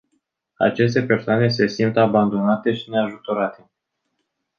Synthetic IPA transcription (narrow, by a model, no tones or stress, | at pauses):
a̰t͡ʃe̞s̬t̪e̞pe̞rsoane̞s̬e̞sint̪aband̪o̞nat̪e̞ʃineaʒut̪o̞ɾat̪e̞